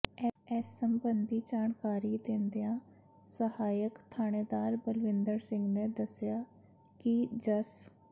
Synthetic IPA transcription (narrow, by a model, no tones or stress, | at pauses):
ɛɛːsːəmbənd̪iːd͡ʒaːɳkaːɾiːd̪ɪnd̪ijãː | səhaːjəkt̪ʰaːneːd̪aːɾbəlʋɪ̃nd̪əɾsɪ̃ŋɡneːd̪əsjaː | kɪd͡ʒəs